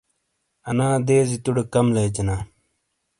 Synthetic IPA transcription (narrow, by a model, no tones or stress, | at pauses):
ɐnaːd̪eːzit̪uɽekɐmleːd͡ʑɐnaː